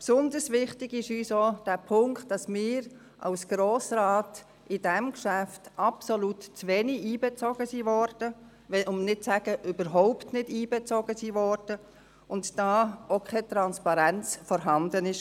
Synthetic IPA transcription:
psʊndəsʋɪχtɪɡɪʃyːsod̥æːpʰʊŋkt̚d̥ɑsmɪːɾ | ʔɑ̰ʊsɡ̥ɾoːsɾɑːt | ʔɪd̥ɛmkʃæftʔɑpsolutt͡sʋeniiːbɛt͡sɔɡəsivɔɾd̥ə | ʋɛʔʊmnɪt̚t͡sæɡ̥əʔybəɾɦɔʊptnɪdiːbɛt͡sɔɡ̥əsiːvɔɾd̥ə | ʊntd̥ɑːokʰχɛt̪ɾɑnspɑɾænt͡sfɔɾɦɑndənɪʃ

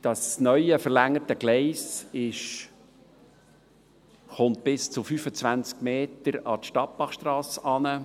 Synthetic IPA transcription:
d̥ɑsnœʏəfəɾlæŋːətəɡ̥lɛɪsɪʃ | χʊnt̪̚b̥ɪst͡sʊfyːfət͡svænt͡skmeːtəɾɑtʃtɑp̚bɑχʃtɾɑːsɑnə

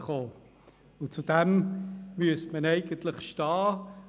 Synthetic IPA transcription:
χoː | ʊt͡sud̥ɛmmyəstmənɛɪɡ̥əntlɪχʃtɑː

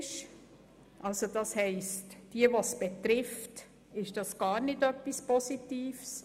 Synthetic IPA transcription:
ʃ | ʔɑlsod̥ɑshɛɪstd̥iəʋosb̥ɛt̪ɾɪft | ɪʃd̥ɑsɡ̥ɑːɾnɪdœpːispɔsitiːfs

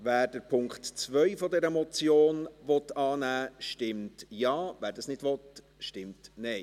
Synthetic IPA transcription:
væːɾd̥əɾpʰʊŋkχtt͡sʋœʏfɔdɛɾəmɔt͡sjoːnʋɔtɑːnæːʃtɪmtjɑːvæːɾdɑsnɪdʋɔt | ʃtɪmtnɛɪ

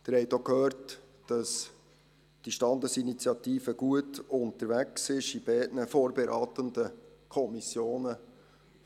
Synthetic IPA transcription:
d̥əɾhɛɪtokhøːɾt | d̥ɑs | d̥iʃtɑnd̪əsinit͡sjɑt̪iːfəɡ̥uətʊnt̪əɾʋæksɪʃibɛɪdnəfoːɾbɛɾɑːtəndə | kʰɔmisjoːnə

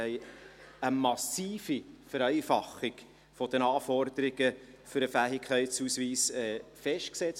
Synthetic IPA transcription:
ɛɪəmɑsiːfifəɾɛɪfɑχɪɡ̥ | fɔd̥̪ənɑːfɔɾd̪̥əɾɪɡ̥ə | fʏɾəfæːɦɪkʰχɛɪtshusʋiːsɛfɛʃt̚ksɛt͡s

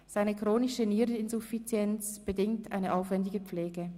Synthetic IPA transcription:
z̥aɪnəkʁ̥oːnɪʃəniːɾɪnzufit͡sjɛnt͡sb̥ədɪŋtʰʔa̰ɪnəʔaʊfv̥ɛndɪɡəp͡fleːɡə

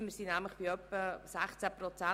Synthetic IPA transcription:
məɾsiːnæmləχb̥iœpːəsæχt͡sæprɔt͡sæ

